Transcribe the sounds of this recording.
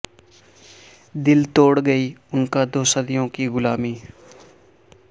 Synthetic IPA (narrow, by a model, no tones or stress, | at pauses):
d̪ɪlt̪oːɽɡəiːʊnkad̪oːsəd̪ɪjõːkiɡʊlaːmiː